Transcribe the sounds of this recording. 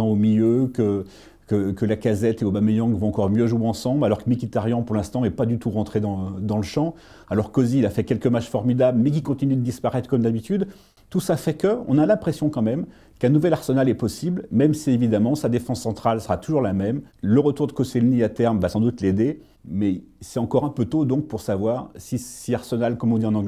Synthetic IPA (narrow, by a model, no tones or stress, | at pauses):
ɑ̃omiljøkə | kəkəlakazɛt̪eobamejɑ̃ɡvɔ̃ɑ̃kɔʁmjøʒuweɑ̃sɑ̃blalɔʁkəmikʲit̪aʁjɑ̃puʁlɛ̃st̪ɑ̃ɛpad̪yt̪uʁɑ̃t̪χed̪ɑ̃d̪ɑ̃ləʃɑ̃ | alɔʁkɔziːlafɛkʲɛlkəmaʃfɔʁmid̪abləmɛk̬ʲikɔ̃t̪inyd̪əd̪ispaʁɛt̪χkɔmd̪abit̪yd̪ | t̪usafɛkəɔ̰̃nalɛ̃pχesjɔ̃kɑ̃mɛm | kɛ̃nuvɛlaʁsənalɛpɔsiblmɛmsievid̪amɑ̃sad̪efɑ̃sːɑ̃t̪χalsəʁat̪uʒuʁlamɛmləʁət̪uʁd̪əkoselniat̪ɛʁmvasɑ̃d̪ut̪led̪e | mɛsɛt̪ɑ̃kɔʁɛ̃pøt̪od̪ɔ̃k̚puʁsavwaʁsisiaʁsənalkɔmɔ̃d̪iɑ̃nɑ̃ɡ